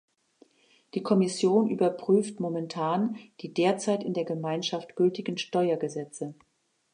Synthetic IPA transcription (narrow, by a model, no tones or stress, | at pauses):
d̥iːkʰɔmɪsjoːnʔyːbɐpʁ̥yːftmomɛntʰaːnd̥iːdeːɐt͡saɪtɪndeːɐɡəmaɪnʃaftɡ̥ʏltɪɡn̩ʃtɔʏɐɡəzɛt͡sə